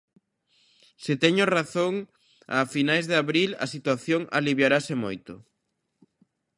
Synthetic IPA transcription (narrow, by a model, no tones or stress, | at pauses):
sɪt̪ɛɲoraθoŋ | a̰finajzðɪaβɾilɐ̰sit̪waθjoŋa̰liβjaɾasɪmojt̪ʊ